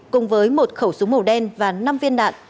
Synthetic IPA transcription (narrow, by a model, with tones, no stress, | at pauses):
kʊ˨˩ŋ͡mvəː˨˦jmo˨˩t̚xə˧˩wsʊ˨˦ŋ͡mmə˨˧˩wɗɛ˧nvaː˨˩na˧mvi˧ənɗa̰ː˧˨n